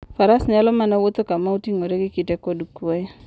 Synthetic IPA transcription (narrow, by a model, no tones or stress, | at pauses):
faɾasnalɔmanawot̪okamautiŋoɾeɡikitɛkɔdukuɔ